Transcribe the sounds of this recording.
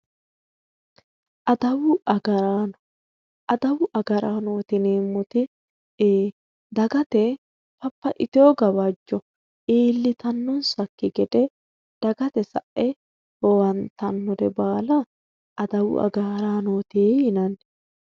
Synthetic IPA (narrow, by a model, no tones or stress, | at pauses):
ʔɐd̪ɐwʊɐɡɐɾan | ɐd̪ɐwʊʔɐɡɐɾaːno̞ːt̪ɪneːmːɔt̪ɪ | eː | d̪ɐɡɐt̪ɛ | pɐpːɐʔɪt̪ɪoːɡɐbɐd͡ʒːɔ | eːlːɪt̪ɐnːɔnsɐkːɪɡɛd̪ɛ | d̪̥ɐɡɐt̪ɛsɐ̰ʔɛ | hɔwɐnt̪ɐnːɔd̪ɛbaːlɐ | ɐd̪ɐwʊ̰ʔɐ̰ɡaːɾaːnoːt̪ejɪnɐn